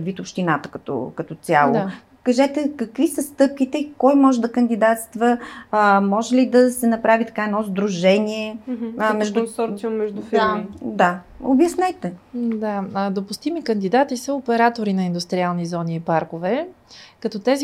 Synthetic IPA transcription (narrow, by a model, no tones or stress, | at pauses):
d̪vit̪opʃt̪inat̪ə̥kɐt̪ɔ̰kɐt̪ɔt̪sʲjalˠod̪a | kɐʒɛt̪ɛkɐkvisəst̪ɤp̚kit̪ɛikɔjmɔʒɛd̪ɐkənd̪id̪at̪st̪və | mɔʒɛlid̪ɐsɛnɐpɾavit̪ɐ̥kaɛnɔzd̪ɾuʒɛniɛmɛʒd̪unsɔɾt̪siʊmːɛʒd̪ufid̪ao̰bjɐsnɛt̪ɛd̪ad̪opʊst̪imikənd̪id̪at̪isəopɛɾat̪oɾinɐind̪ust̪ɾialˠnizɔniːpaɾkovɛ | kɐt̪ɔt̪ɛzi